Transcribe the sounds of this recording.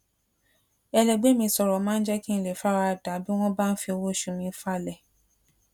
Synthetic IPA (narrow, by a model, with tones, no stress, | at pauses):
ɛ˧lɛ˨ɡ͡be˦mĩ˧sɔ˨ɾɔ˨mãː˨˦n̩˦d͡ʒɛ˦ki˦ñ̩˧le˨fa˦ɾa˧˨da˨˦bi˦w̃ɔ̃˦ba˦˨n̩˦fi˧o˧wo˦˨ʃũ˧mĩ˧˦fa˦˨lɛ˨